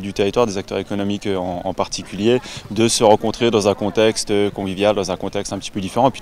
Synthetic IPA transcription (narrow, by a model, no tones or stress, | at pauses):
d̪yt̪eʁit̪waʁd̪ezak̚t̪œ̰ʁekɔnɔmikøɑ̃ɑ̰̃paʁt̪ikʲyljed̪əsəʁɑ̃kɔ̃t̪χed̪ɑ̃zɛ̃kɔ̃t̪ɛkst̪økɔ̃vivjald̪ɑ̃zɛ̃kɔ̃t̪ɛkst̪ɛ̃pə̥t̪i̥pød̪ifeʁɑ̃pi